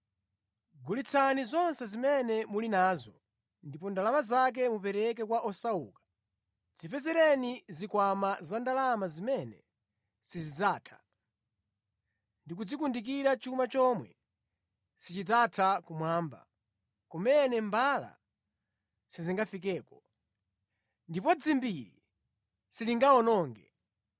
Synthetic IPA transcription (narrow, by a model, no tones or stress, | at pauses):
ɡulit͡sʰanizɔnsɛzimɛnɛmulinaːzɔ | ndipɔndalamazak̬ɛmupɛɾɛk̬ɛkwaʔɔsauːkḁ | d͡zipɛzɛɾɛnizikwamazandalamazimɛnɛ | sizid͡zaːtʰḁ | ndik̬ud͡zikundik̬iɾat͡ʃumat͡ʃɔmwɛ̰ | sit͡ʃitatʰakumwaːmba̰ | kɔmɛnɛmbala̰ | siziŋɡafik̬ɛːkɔ | ndip̬ɔd͡zimbiɾḭ | siliŋɡaɔnɔːŋɡɛ